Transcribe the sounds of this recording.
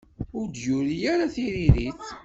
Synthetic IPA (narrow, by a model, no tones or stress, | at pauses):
ʊɾd̪jʊɾijaɾaθiɾiɾit͡s